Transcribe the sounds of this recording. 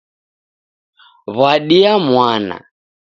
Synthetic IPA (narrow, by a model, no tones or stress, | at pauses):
βwaɗiamwana̰